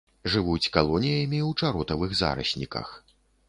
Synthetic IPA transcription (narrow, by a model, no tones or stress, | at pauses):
ʐɨvut͡sʲkalˠɔnʲijɐmʲiwt͡ʂaɾɔt̪ɐvɨɣza̰ɾɐ̰sʲnʲḭkɐ̰x